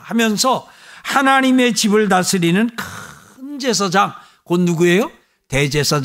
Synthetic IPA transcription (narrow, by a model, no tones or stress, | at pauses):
hamjʌnsʰʌ | hanaɲime̞t͡ɕibɯɭtasʰɯɾinɯnk | ɯnd͡ʑe̞s̬ʰʌd͡ʑaŋ | konuɡue̞jo | te̞d͡ʑe̞sʰʌd͡ʑ